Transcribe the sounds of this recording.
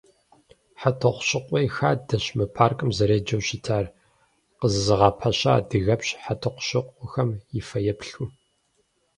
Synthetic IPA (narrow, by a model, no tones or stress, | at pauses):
ħatʰɐχʷɕɪqʷʼɔjxaːdɐɕmɨpʰaːrkʼɨmzɐɾeːd͡ʒɐwɕitʰaːr | qəzɨzɨʁɑpʰɐɕa̰ːdɨɣɐpɕħatʰɐqʷɕɪqʷʼɔxɐmjɪfɐjɛpɬuː